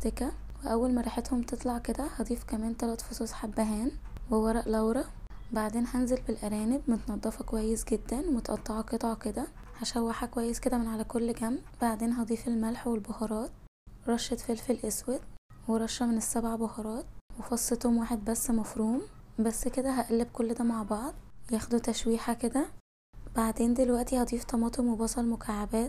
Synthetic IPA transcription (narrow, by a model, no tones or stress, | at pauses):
t̪ekæweʔæwːælmæɾˤɑħet̪homt̪et̪ˤlɑʕked̪æhɑd̪ˤiːfkæmæːnt̪ælæt̪fosˤosħabːæɦæːnwewɑɾˤɑʔlæwɾˤɑ | baʕd̪eːnhænzelbelʔæɾæːnebmet̪nɑd̪ˤːɑfɑkowæjːesɡed̪ːænwmet̪ʔɑ̰t̪ˤːɑʕɑket̪ˤɑʕɑked̪æʕæʃæːwːæħækowæjːesked̪æmenʕalækolːɡæmːbaʕd̪eːnɦɑd̪ˤiːfelmælħwelbohɑɾˤɑːt̪ | ɾˤɑʃːet̪felfelʔeswed̪ | weɾˤɑʃːæmenesːæbʕabohɑɾˤɑːt̪wefɑsˤːet̪homwaːħed̪̚bæsːmɑfɾuːmbæsːked̪æɦæʔælːebkolːd̪æːmaʕbɑʕd̪ˤjæːxd̪ut̪æʃwiːħaked̪æ | baʕd̪eːnd̪elwæʔt̪ihɑd̪ˤiːft̪ˤɑmɑːt̪ˤemwebɑsˤɑlmokʰaʕabæːt̪̚